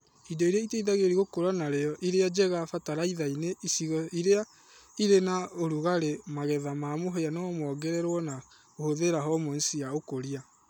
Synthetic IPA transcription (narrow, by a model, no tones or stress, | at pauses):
idɔiɾeaiteiðaɣeɾiɣokoɾanaɾeɔʔiɾead͡ʒɛɣafataɾaiðaineisiɣɔiɾea | iɾenaoɾuɣaɾemaɣɛðamaːmoɦeanɔɔmwɔɡɛɾɛɾwɔna | ohoðeɾaɦɔmɔn̩siaokoɾia